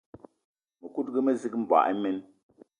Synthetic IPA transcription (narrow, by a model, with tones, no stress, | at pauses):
mə˨ku˦t̚ɡə˦mə˦zi˦km̩˦ba̰˨ʔi˦mɛ˦n